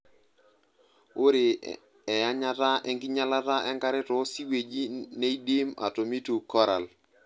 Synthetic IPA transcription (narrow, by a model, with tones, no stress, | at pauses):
o˦ɾe˨ | ɛ˨ja˦ɲa˦ta˦ɛ˦ŋɡɪ˦ɲa˦la˦ta˦ʔɛ˦ŋka˦ɾɪ˦tɔ˨˦si˦we˨d͡ʒi˦ne˦i˦de˦ma̰˨to˨mi˦tu˨kɔ˦ɾa˨l